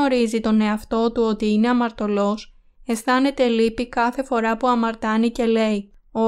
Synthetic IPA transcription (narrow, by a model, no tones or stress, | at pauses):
o̞ɾizit̪o̞ne̞ɐft̪o̞t̪uo̞t̪iine̞ɐmɐɾt̪o̞lo̞s | e̞sθɐne̞t̪e̞lipikɐθe̞fo̞ɾɐpuɐmɐɾt̪ɐnice̞le̞io